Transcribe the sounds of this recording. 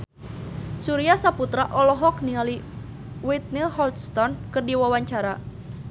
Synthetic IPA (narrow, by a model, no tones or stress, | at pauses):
suɾiasaput̪ɾaʔɔlɔɦɔkniali | wit̪̚nilhɔlt̪st̪ɔnkɨrdiwawaɲt͡ʃaɾa